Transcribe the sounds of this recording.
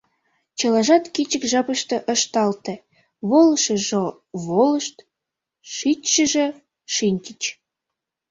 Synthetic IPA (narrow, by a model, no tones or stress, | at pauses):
t͡ɕəlɑʒɑt̪kit͡ɕəkʒɑpəʃt̪ɤ̆ʔəʃt̪ɑlt̪ĕ | βoləʃə̆ʒo | βoləʃt̪ | ʃit̪ʲʃəʒĕ | ʃinʲt̪ʲit͡ɕ